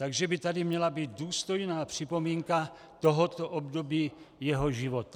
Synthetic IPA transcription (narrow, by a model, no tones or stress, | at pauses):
t̪aɡʒɛbit̪adimɲɛlabiːd̪d̪uːst̪ojnaːpr̝̥ipomiːŋka | t̪ɔɦɔt̪ɔʔɔbd̪obiːjɛɦɔʒiʋot̪ḁ